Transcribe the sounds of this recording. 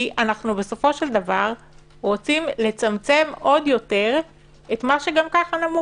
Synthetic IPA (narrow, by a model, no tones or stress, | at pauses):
ʔanaχnube̞so̞fo̞ʃeld̪avaʁ | ʁo̞t͡simle̞t͡samt͡se̞mo̞djo̞te̞ʁ | etmaʃe̞ɡamkaχanamu